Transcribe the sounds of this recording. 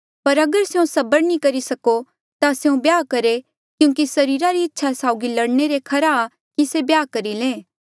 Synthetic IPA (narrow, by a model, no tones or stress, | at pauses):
pɐɾɐɡəɾseũsɐbəɾnikɐɾisɐko | t̪aseũbjaːkɐɾe | kjũːkisɐɾiːɾaɾiɪtːʃʰasaːʊɡilɐɽneɾekʰɐɾaː | kisebjaːkɐɾilẽː